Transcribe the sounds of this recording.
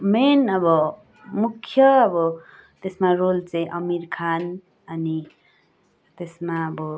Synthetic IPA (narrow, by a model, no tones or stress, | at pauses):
menʌbʌ | mukʰːjʌːbʌ | t̪esmarolt͡saĩʔʌmirkʰan | ʌni | t̪esmaʌbʌ